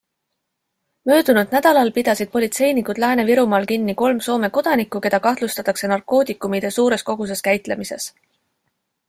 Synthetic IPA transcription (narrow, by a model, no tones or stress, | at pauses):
mø̞ːd̪̥unud̪̥̚næd̪̥ɑlɑlpid̪̥ɑsid̪̥̚po̞lʲit̪se̞jnikud̪̥læːne̞viɾumɑːlkinːiko̞lmso̞ːme̞ko̞d̪̥ɑnikːˑuke̞d̪ɑkɑht̪lust̪ɑt̪ːˑɑkse̞nɑrkːˑo̞ːt̪ikːˑumid̪̥e̞suːɾe̞sko̞ɡ̥us̬e̞skæjt̪le̞mise̞̰s